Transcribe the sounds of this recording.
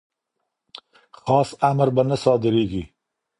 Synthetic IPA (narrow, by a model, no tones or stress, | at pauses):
xɑsamɾbanəsɑd̪ɪɾeɡi